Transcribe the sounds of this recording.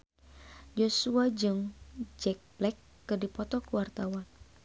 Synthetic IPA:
josuad͡ʒɨŋd͡ʒɛk̚blɛkːɨrdipɔt̪ɔkuwart̪awan

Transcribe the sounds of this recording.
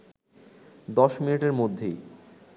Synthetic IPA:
d̪ɔʃminiʈeɾmod̪ʱːej

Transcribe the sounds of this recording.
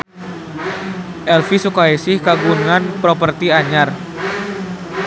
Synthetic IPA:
ʔɛlfisukaisɪhkaɡuŋanpɾopərt̪iaɲar

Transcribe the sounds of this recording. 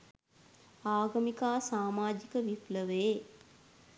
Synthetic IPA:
aːɡəmikaːsaːmaːd͡ʒikəʋipləʋeː

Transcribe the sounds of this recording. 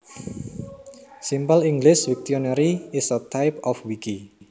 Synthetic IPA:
simpəliŋɡlɪswik̚t̪iɔnɛɾiɪsət̪ʰajpɔfwiki

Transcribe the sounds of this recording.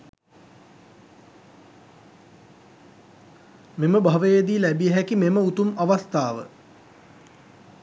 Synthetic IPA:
meməbʱaʋəjed̪ilæbijəɦɛkimeməut̪umaʋast̪aːʋə̰

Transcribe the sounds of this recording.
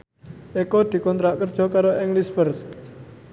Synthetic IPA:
ʔekod̪̥i̤kɔnt̪ɾaʔkərd̥ʒ̥ɔ̤kaɾoʔɛŋlispərs

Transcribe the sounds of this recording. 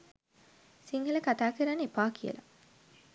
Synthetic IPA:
siŋɡələkat̪aːkəɾanːepaːkijə̰la̰

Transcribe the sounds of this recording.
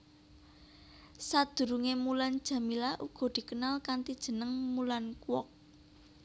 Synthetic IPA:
sad̪̥ṳɾuŋemuland̥ʒ̥ä̤milaʔuɡ̥ɔ̤d̪̥i̤kənalkant̪id̥ʒ̥ə̤nəŋmulankuwɔk̚

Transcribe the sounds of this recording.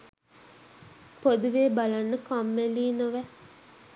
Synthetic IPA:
pod̪uʋeːbalanːəkamːeliːnoʋɛ

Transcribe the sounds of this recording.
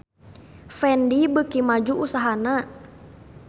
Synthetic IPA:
fɛndibəkimad͡ʒuʔusaɦana

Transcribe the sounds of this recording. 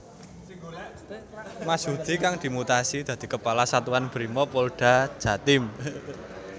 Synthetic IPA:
masud̪̥i̤kaŋd̪̥i̤mut̪asid̪̥a̤d̪̥i̤kəpalasat̪uanb̥ɾimɔpolɖ̥a̤̥d͡ʒ̥a̤t̪ɪm

